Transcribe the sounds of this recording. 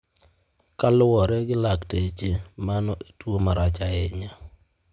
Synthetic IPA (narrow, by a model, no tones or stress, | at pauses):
kalʊwɔɾɛɡɪlaktet͡ʃemanɔʔetwomaɾat͡ʃaɛɲa